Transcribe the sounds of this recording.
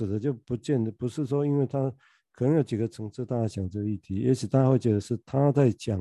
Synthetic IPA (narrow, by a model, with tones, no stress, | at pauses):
ɻ̩˨˩d̪ə˧˦t͡ɕjo˥˩ʊpu˧˥t͡ɕjɛ˥˩nd̪ə˨˩pu˧˥ʂɻ̩˥˩ʂwɔ˥i˥nwe˥˩ɪt̪ʰa˥ | kʰɤ˨˩nɤ˧˥ŋjo˧˩ʊt͡ɕi˨˩ɡə˧ʈ͡ʂʰɤ˧˥ŋʂɻ̩˥˧t̪a˥˩a˥˩ɕjɑ˨˩ŋʈ͡ʂɤ˥˧ɡə˧i˥˩t̪ʰi˧˥jɛ̰˧˥ʂʰi˨˩t̪a˥xwe˥˩ɪt͡ɕɥɛ˧˥d̪ə˧ʂɻ̩˥˩t̪ʰa˥t͡sa˥˩ɪt͡ɕjɑ˨˩